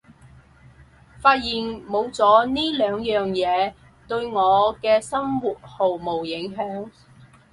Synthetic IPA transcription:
faː˧t̚jiː˨nmo˨˧wt͡sɔː˨˥niː˥lœː˨˧ŋjœː˨ŋjɛː˨˧ | t̪ɵ˧ɥŋɔː˨˧kɛː˧sɐ˥mwuː˨t̚ho˨wmo˨˩wjɪ˨˥ŋɦœː˨˥ŋ

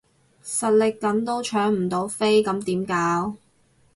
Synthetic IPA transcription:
sɐ˨t̚lɪ˨kːɐ˨˥nt̪o˥wt͡ʃʰœː˨˥ŋm̩˨˩t̪o˨˧˥wfe˥jkɐ˨˥mt̪iː˨˥mkaː˨˥w

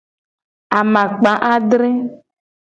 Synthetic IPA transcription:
a˨mã˨k͡pa˨˦ʔa˦ɖɾe˦

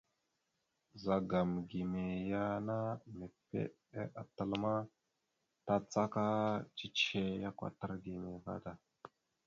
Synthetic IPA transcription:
za˨ɡa˨mɡi˨me˨ja˦na˦me˨pḛ˦ | e˦ʔa˨tə˦lma˦ | ta˦t͡sa˦ka˦t͡ʃi˦t͡ʃe˦ja˦kʷa̰˨tə˦ɾɡi˨me˨ka̰˦ta˨

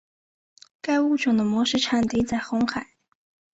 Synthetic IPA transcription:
ka˥˧ɪu˥˩ʈ͡ʂʊ˨˩ŋd̪ə˦mwɔ˧˥ʂɻ̩˥˩ʈ͡ʂʰa˨˩nt̪i˧˥t͡sa˥˩ɪxʊ˧˥ŋxa˨˩˦ɪ

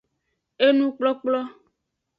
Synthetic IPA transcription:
e˦nũ˦k͡plɔ˦k͡plɔ˦

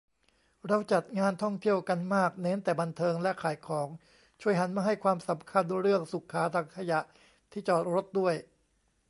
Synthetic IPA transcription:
ɾa˧wt͡ɕa˨˩t̪̚ŋaː˧nt̪ʰɔ˥˩ŋt̪ʰi˥˩əwka˧nmaː˥˩k̚neː˦˥nt̪ɛː˨˩ba˧nt̪ʰɤː˧ŋlɛ˦˥kʰaː˨˩˦jkʰɔː˩˦ŋ | t͡ɕʰu˧˩əjɦa˩˦nmaː˧ɦa˥˩jkʰwaː˧msa˩˦mkʰa˧ndu˧jɾɯ˥˩əŋsu˨˩kʰːaː˩˦˥t̪ʰaː˧ŋkʰa˧ja˨˩ʔ | t̪ʰiː˥˩t͡ɕɔː˨˩t̪̚ɾo˦˥t̪̚du˥˩əj

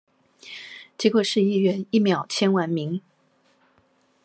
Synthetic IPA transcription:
t͡ɕɛ˧˥kwɔ˨˩ʂɻ̩˥˧i˥˩ɥɛ˧˥ni˥˩mjɑ˨˩ʊt͡ɕʰjɛ˥nwa˧˥nmi˧˥ŋ

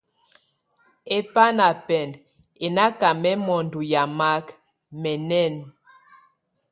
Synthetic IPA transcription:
e˦pa˦na˨pɛ˨nd | e˨na˦ka˨mɛ˦mɔ˨ndu˨ja˨ma˦k | mɛ˨nɛ˦˨n

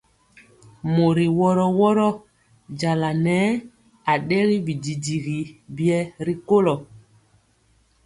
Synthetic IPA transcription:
mo˨ɾi˨wɔ˦ɾɔ˦wɔ˦ɾɔ˦ | d͡ʒa˨la˨nɛ˨˦ | a˨ɗe˦ɣi˦bi˨di˨di˨ɣi˨bi˦ɛ˦ɾi˦ko˦lɔ˨

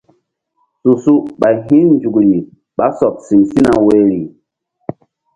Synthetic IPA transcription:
su˨su˦ɓa˨ɦi˦nnd͡ʒu˨ɡli˨ | ɓa˦sɔ˨p̚si˨msi˦na˨we˨ɾi˨

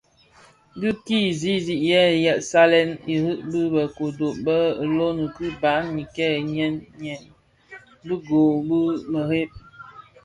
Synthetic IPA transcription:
di˦ki˦˨zi˦zi˨ʔjɛ˦˨jɛ˨ʔsa˦lɛ˦ni˨hɨ˦ʔbɨ˦bə˨ko˨do˨ʔbə˦˨lo˦nə˨kɨ˦ba˨˦ŋɲi˨kɛ˦˨ɲɛ˦nɲɛ˨n | bə˦ɡo˨bə˦mə˨ɾe˦p̚

